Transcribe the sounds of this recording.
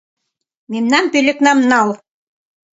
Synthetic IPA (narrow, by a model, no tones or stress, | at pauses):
memnɑnpølʲeknɑmnɑl